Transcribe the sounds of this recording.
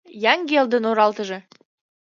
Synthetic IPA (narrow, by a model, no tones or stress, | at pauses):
jɑŋɡeld̪ə̆noɾɑlt̪ə̆ʒɤ̆